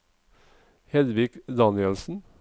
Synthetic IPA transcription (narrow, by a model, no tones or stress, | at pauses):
hɛd̪ʋɪkd̪ɑnɪəlsn̩